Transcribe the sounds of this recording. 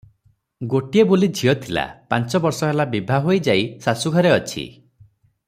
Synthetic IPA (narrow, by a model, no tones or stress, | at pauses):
ɡoʈiebolid͡ʒʱiɔt̪ʰila̰pant͡ʃɔbɔɾsɔɦelabibʱaɦojd͡ʒajsasuɡʱɔɾeɔt͡ʃʰḭ